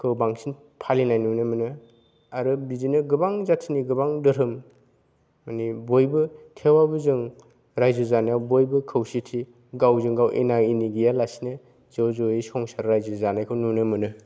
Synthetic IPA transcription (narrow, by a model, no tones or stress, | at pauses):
kʰɯwbaŋsin | pʰalinajnunɯmɯnɯ | aɾɯbizinɯɡɯbaŋzatʰiniɡɯbaŋdɯɾɯm | manibojbɯtʰewabɯzɯŋ | ɾajzɯzanijawbojbɯkʰɯwsitʰi | ɡawzɯŋɡawʔḛnainiɡijalasinɯ | zɯwzɔisɔŋsaɾɾajzɯzanajkʰɯwnunɯmɯnɯ